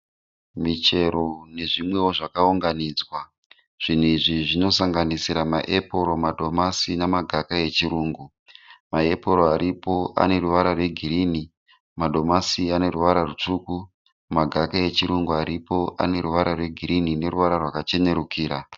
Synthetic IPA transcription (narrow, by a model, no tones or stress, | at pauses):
mit͡ʃe̞ɾo̞ne̞ʐimwe̞wo̞ʐakauŋɡaniːd͡zwa | ʐ̥in̤uiʐiʐino̞saŋɡanisiɾamaʔepo̞ɾo̞madʱo̞masinamaɡʱakaje̞t͡ʃiɾuːŋɡu | mae̞poɾoaɾʔipo̞a̰ne̞ruʋaɾarwe̞ɡʱirini | madʱo̞masiane̞ruʋaɾarut͡ʂuːku | maɡʱakaje̞t͡ʃiɾuŋɡuaɾipo̞ʔa̰ne̞ɾuʋaɾarwe̞ɡʱiɾinine̞ruʋaɾarwakat͡ʃe̞ne̞ɾukiːɾa